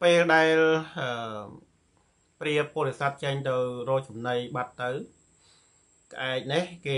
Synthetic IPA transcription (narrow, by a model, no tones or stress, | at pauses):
peːlɗaɛlʔəː | priəpːŏəlesat̪̚t͡ɕəŋt̪ɨwrɔːt͡ɕumnəjɓat̪ːɨw | kə̆ʔaɛk̚nɨhkeː